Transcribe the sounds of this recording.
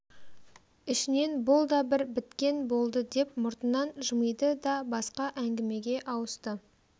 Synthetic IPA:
ɪʃɪne̞nbʊlˠd̪ɑbɪɾbɪt̪kʲe̞nbo̞lˠd̪əd̪e̞p̚mʊɾt̪ənɑnʒəməjd̪əd̪ɑbɑsqɑʔæŋɡʲɪme̞ɡʲe̞ʔɑwəst̪ə

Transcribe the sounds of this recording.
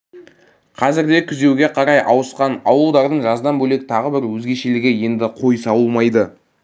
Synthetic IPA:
qʰɑzɪɾd̪e̞kʲʰʏze̞wɡʲe̞qʰɑɾɑjɑwəsqɑnɑwəlˠd̪ɑɾd̪əɴʒɑzd̪ɑnbɵle̞kʲt̪ʰɑʁəbɪɾwɵzɡʲe̞ʃelɪɡʲe̞je̞nd̪ɪqʰo̞jsɑwəlˠmɑjd̪ə

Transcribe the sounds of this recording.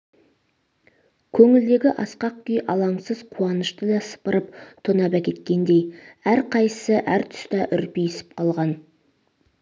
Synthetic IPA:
kʲʰɵŋɪld̪e̞ɡʲɪʔɑsqɑq̚kʲʏjʔɑlˠɑɴsəzqʰuɑnəʃt̪əd̪ɑsə̥pəɾəp̚t̪ʰonɑbækʲʰe̞t̪kʲe̞nd̪e̞jæɾqʰɑjsəʔæɾt̪ʰʏ̥st̪ɑʔʏɾpijɪsɪ̥p̚qʰɑlˠʁɑn

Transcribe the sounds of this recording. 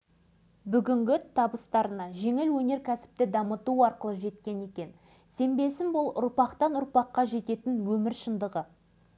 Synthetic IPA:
bʏɡʲɪŋɡʲɪt̪ʰɑbəst̪ɑɾənɑʒe̞ŋɪlwɵne̞ɾkʲʰæsɪ̥p̚t̪ɪd̪ɑmət̪uɑɾqəlˠəʒe̞t̪kʲe̞ne̞kʲe̞n | se̞mbe̞sɪnbʊlˠʊ̰ɾpɑqt̪ɑnʊɾpɑqːɑʒe̞t̪e̞t̪ɪnwɵmɪɾʃənd̪əʁə

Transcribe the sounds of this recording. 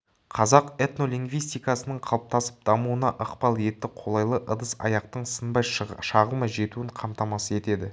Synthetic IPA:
qʰɑzɑqe̞t̪no̞liŋɡvijst̪ijkɑsənəɴqʰɑlˠəp̚t̪ɑsə̥p̚d̪̥ɑmuənɑʔəqpɑlˠe̞t̪ːɪqʰo̞lˠɑjlˠəʔəd̪əsɑ̰jɑq̚t̪əɴsənbɑjʃɑʁəlˠmɑʒe̞t̪uɪɴqʰɑmt̪ɑmɑsəe̞t̪e̞d̪ɪ

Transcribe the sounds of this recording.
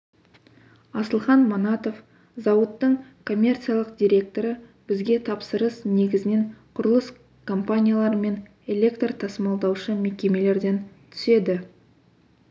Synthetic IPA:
ɑsəlˠχɑnmonɑt̪o̞f | zɑwət̪ːəɴkʰo̞mʲːe̞rt̪sijalˠəqd̪ʲijɾʲe̞k̚t̪o̞ɾə | b̥ɪzɡʲe̞t̪ʰɑpsəɾəsne̞ɡʲɪzɪne̞ɴqʰʊɾəlˠəs | kʰo̞mpanʲijalˠɑɾəme̞n | e̞lʲe̞kt̪rt̪ʰɑsmɑlˠd̪ɑwʃəme̞kʲe̞me̞le̞ɾd̪e̞nt̪ʰʏ̥se̞d̪ɪ

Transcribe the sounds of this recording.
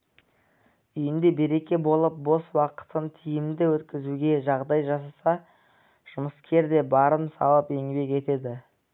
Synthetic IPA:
ʏjɪnd̪e̞be̞ɾe̞kʲe̞bo̞lˠəp̚bo̞swɑqə̥t̪ənt̪ʰijɪmd̪ɪwɵt̪kʲɪzuɡʲe̞ʒɑʁd̪ɑjʒɑsɑsɑ | ʒ̥ʊməskʲʰe̞ɾd̪e̞bɑɾənsɑ̰lˠəpe̞ŋbe̞ke̞t̪e̞d̪ɪ

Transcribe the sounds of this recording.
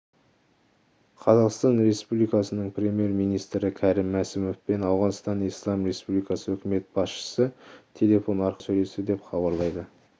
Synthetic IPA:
qʰɑzɑqst̪ɑnɾe̞spublijkɑsənəɴpɾʲe̞mʲije̞ɾmijnijst̪ɾɪkʲʰæɾɪmːæsɪmofpe̞nɑwʁɑnəst̪ɑnijslˠɑmre̞spublijkɑsəɵkʲɪme̞t̪̚bɑsʃə̥sət̪ʰe̞lʲe̞fo̞nɑɾqəsɵjle̞st̪ɪd̪e̞pχɑβɑɾlˠɑjd̪ə

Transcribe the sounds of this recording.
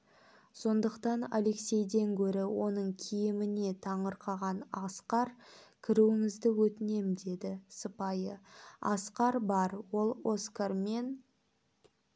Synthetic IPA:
so̞nd̪əqt̪ɑna̰le̞ksʲe̞jd̪e̞ŋkʲʰɵɾɪwo̞nəɴkʲʰijɪmɪne̞t̪ʰɑɴəɾqʰɑʁɑnɑsqɑɾkʲʰɪɾuwɪŋɪzd̪ɪwɵt̪ɪne̞md̪e̞d̪ɪsəpɑjəɑ̰sqɑɾbɑɾwo̞lˠo̞skarme̞n

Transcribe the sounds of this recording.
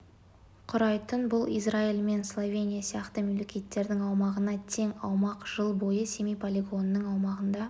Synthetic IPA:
qʰʊɾɑjt̪ənbʊlˠḭjzrailme̞nslˠovʲe̞nʲijasijɑqt̪əmelːekʲet̪ːe̞ɾd̪ɪŋɑwmɑʁənɑt̪ʰeŋɑwmɑqʒ̥əlˠbo̞jəse̞mijpʰolʲiɡo̞nːəŋɑwmɑʁənd̪ɑ

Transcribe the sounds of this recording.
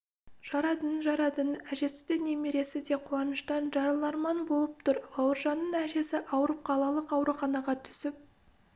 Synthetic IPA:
ʒ̥ɑɾɑt̪ənʒɑɾɑt̪ənæʒe̞sɪ̥d̪ene̞meɾe̞sɪd̪e̞qʰuɑnəʃt̪ɑnʒɑɾɑlˠɑɾmɑnbo̞lˠəp̚t̪ʰʊɾbɑwəɾʒɑnːənæʒe̞sɪʔɑwəɾəp̚qʰɑlˠɑlˠəqɑwɾuχɑnɑʁɑt̪ʰʏ̥sɪp̚

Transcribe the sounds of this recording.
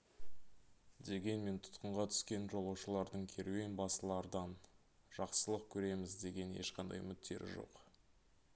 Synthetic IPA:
d̪e̞ɡʲe̞nme̞nt̪ʰʊ̥t̪qəɴʁɑt̪ʰʏ̥skʲe̞nʒo̞lˠɑwʃəlˠɑɾd̪əɴkʲʰe̞ɾwe̞nbɑsəlˠɑɾd̪ɑn | ʒ̥ɑqsəlˠəq̚kʲʰɵɾe̞mɪzd̪e̞ɡʲe̞njḛʃqɑnd̪ɑ̰jmʏt̪t̪ʰːe̞̰ɾɪ̰ʒo̞̰q

